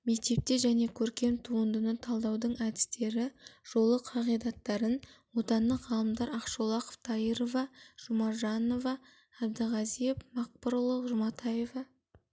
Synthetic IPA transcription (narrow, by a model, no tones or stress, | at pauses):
me̞k̚t̪e̞p̚t̪e̞ʒæne̞kʲʰɵɾkʲe̞mt̪ʰuənd̪ənət̪ʰɑlˠd̪ɑwd̪əɴæd̪ɪ̥st̪e̞ɾɪʒ̥o̞lˠəqʰɑʁijd̪ɑt̪ːɑɾənwo̞t̪ɑnːəʁɑlˠəmd̪ɑɾɑqʃolˠɑqo̥ft̪ʰɑjiɾo̞vɑʒ̥ʊmɑɾʒɑno̞vɑː | b̚d̪əʁɑzijefmɑq̚pəɾlˠəʒʊmɑt̪ʰɑje̞vɑ